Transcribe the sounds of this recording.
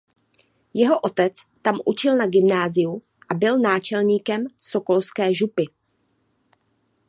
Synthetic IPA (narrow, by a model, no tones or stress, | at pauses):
jɛɦo̞ʔo̞t̪ɛt͡st̪amʔut͡ʃɪlnaɡɪmnaːzɪju | ʔabɪlnaːt͡ʃɛlɲiːkɛmso̞ko̞lskɛːʒupɪ